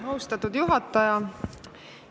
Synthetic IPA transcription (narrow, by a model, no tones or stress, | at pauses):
ɦɑust̪ɑt̪ːud̪̥juɦɑt̪ːˑɑjɑ